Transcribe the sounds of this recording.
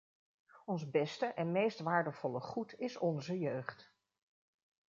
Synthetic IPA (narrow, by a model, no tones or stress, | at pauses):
ɔnzbɛstəʔɛnmejstʋaːɹdəv̥ɔləχutɪsɔnzəjøɥχt